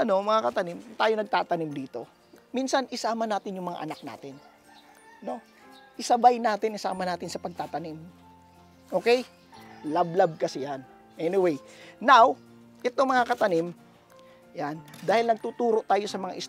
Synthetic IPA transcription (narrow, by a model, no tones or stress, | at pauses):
ʔɐno̞mɐŋakɐt̪ɐnɪmt̪aːjo̞nɐɡ̚t̪aːt̪ɐnɪmd̪iːt̪o̞ | minsɐnʔɪsaːmɐnaːt̪ɪnjʊŋmɐŋa̰ʔɐ̰nak̚na̰ːt̪ɪn | no̞ | ʔɪsɐbajnaːt̪ɪnɪsa̰ːmɐnaːt̪ɪnsɐpɐɡ̚t̪aːt̪ɐnɪm | ʔo̞ːkɛj | lablab̚kɐsɪjan | ʔɛnɪwejnaw | ʔɛt̪omɐŋakɐt̪ɐnɪm | jand̪aːhɪlnɐɡ̚t̪uːt̪uːɾo̞ʔt̪aːjo̞sɐmɐŋa̰ʔɪs